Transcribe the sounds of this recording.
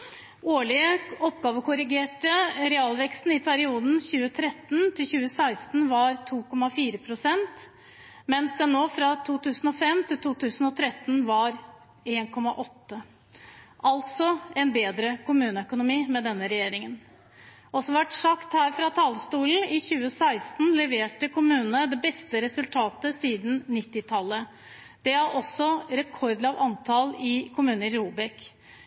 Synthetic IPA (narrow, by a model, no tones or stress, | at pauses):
oːɭɪəɔpːɡɑːʋəkʊɾɪɡeːʈəɾɛɑːlʋɛkst̪n̩ɪpʰæɾɪuːd̪n̩çʉːət̪ʰɾɛt̪ːnt̪ʰɪlçʉːəsæɪst̪n̩ʋɑɾt̪ʰuːkʰɔmɑfiːɾəpʰɾʊsɛnt̪ | mɛnsd̪ɛnːoːfɾɑt̪ʰuːt̪ʉːsn̩ɔfɛmt̪ʰɪlt̪ʰuːt̪ʉːsn̩ɔt̪ʰɾɛt̪ːnʋɑɾ | eːnkʰɔmɑ̰ʔɔt̪ːə | ʔɑlt̪sɔɛnbeːd̪ɾəkʰʊmʉːnəœkʊnʊmiːmɛd̪ɛnːəɾɛjeːɾɪŋən | ɔsɔmʋæʈsɑkt̪hæːɾfɾɑt̪ʰɑːləst̪uːln̩ɪçʉːəsæɪst̪nlɛʋeːʈəkʰʊmʉːnəd̪ɛbɛst̪əɾɛsʉlt̪ʰɑːt̪əsiːd̪n̩nɪt̪ːɪt̪ʰɑlːə | d̪̥ɛɑɾʔɔsːɔɾɛkʰɔɾd̪lɑʋɑnt̪ʰɑlɪkʰʊmʉːnəɪɾuːbɛk